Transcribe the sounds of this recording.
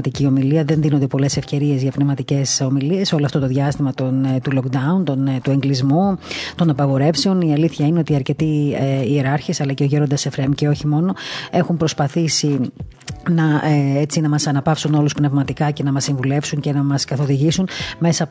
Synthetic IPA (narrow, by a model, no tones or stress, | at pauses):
t̪icio̞miliɐðe̞nðinond̪e̞po̞le̞se̞fce̞ɾie̞zʝɐpne̞vmɐt̪ice̞so̞milie̞so̞loɐft̪o̞t̪oðʝɐst̪imɐt̪ont̪ulokd̪ɐunt̪ont̪ue̞ŋɡlizmut̪o̞nɐpɐɣo̞ɾe̞fse̞o̞niɐliθçɐineot̪iɐɾce̞t̪ieieɾɐɾçesɐlɐce̞oʝiɾo̞nd̪ɐsefɾemce̞o̞çimo̞no̞e̞xumpɾo̞spɐθisi | nɐet͡sinɐmɐsɐnɐpɐfsuno̞luspne̞vmɐt̪ikɐce̞nɐmɐsiɱvule̞fsuɲce̞nɐmɐskɐθo̞ðiʝisunme̞sɐ